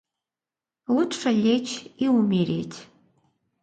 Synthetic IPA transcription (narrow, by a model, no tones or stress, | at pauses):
lut̪ʂəlʲet͡ɕiumʲiɾʲet̪ʲ